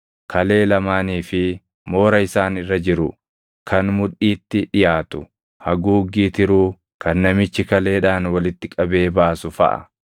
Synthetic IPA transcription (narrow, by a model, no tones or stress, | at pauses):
kʰɐle̞ːlɐmaːniːfɪ | mo̞ːɾɐɪsaːnɪrːɐd͡ʒɪɾʊ | kʰɐnmʊᶑiːt̪ːɪᶑɪjaːt̪ʊ | hɐɡuːɡːiːt̪ɪɾuː | kɐnːɐmɪt͡ʃːɪkɐle̞ːᶑaːnwɐlɪt̪ːɪkʼɐbe̞ːbaːsʊfɐ̰ʔɐ̰